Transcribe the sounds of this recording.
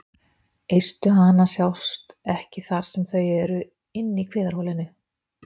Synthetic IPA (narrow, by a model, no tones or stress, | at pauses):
ejst̪ʏɦanːasjawst̪ɛhcɪθaɾ̥sɛmθœjɛɾʏ | ɪnːikʰvɪːðaɾ̥howlɪnːɪ